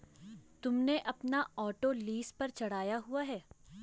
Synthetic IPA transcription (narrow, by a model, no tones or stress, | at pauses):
t̪ʊmneʔɐpnaɔːʈoliːspɐɾt͡ʃɐɽ̤aːjaɦuaɦɛː